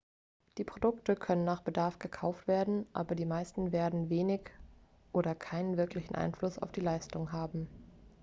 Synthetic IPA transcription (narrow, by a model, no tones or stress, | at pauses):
d̥iːpʁ̥odʊktəkʰœnənːaːχb̥ədaɐfɡ̥əkʰaʊftv̥eːɐdn̩ʔa̰ːbɐdiːmaɪstn̩veːɐdn̩veːnɪç | ʔoːɾɐkʰaɪnənvɪɐklɪçn̩ʔa̰ɪnflʊsa̰ʊfd̥iːlaɪstʊŋɦaːbm̩